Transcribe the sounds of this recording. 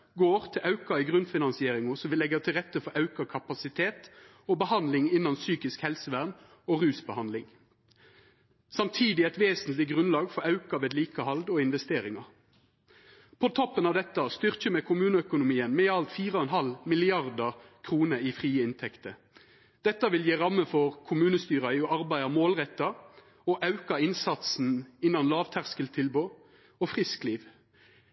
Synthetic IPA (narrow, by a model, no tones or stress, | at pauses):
ɡoːʁt̪ʰɪlʔɑʉkɑɪɡʁʉnfɪnɑnsɪeːʁɪŋʊsɔmʋɪlɛɡət̪ʰɪlʁɛt̪ːəfɔɾɑʉkɑkʰɑpɑsɪt̪ʰeːt̪ | oːbəhɑnd̪lɪŋɪnːɑnsyːkɪskhɛlsəʋæʁn | oːʁʉːsbəhɑnlɪŋ | sɑmt̪ʰiːd̪ɪɛt̪ʋeːsənt̪lɪɡʁʉnlɑːɡfɔɾɑʉkɑʋeːd̪liːkəhɑld̪ɔɪnʋɛst̪eːʁɪŋɑ | pʰot̪ʰɔpːənɑʋd̪ɛt̪ːɑst̪ʏʁc͡çəmɛkʰʊmʉːnəœkʊnʊmiːənmeːɑlt̪fiːʁɔɛnɦɑlmɪlɪɑʁd̪ɑʁ | kʰʁuːnəifʁiːəɪnt̪ʰɛkt̪ə | d̪̥ɛt̪ːɑʋɪljeːʁɑmːəfɔʁkʰʊmʉːnəst̪yːʁɑɪɔʔɑʁbæɪɑmoːlʁɛt̪ːɑ | ɔʔɑʉkɑɪnsɑt̪sn̩ɪnːɑnlɑːʋt̪ʰæʁskəlt̪ʰɪlboː | ofʁɪskliːʋ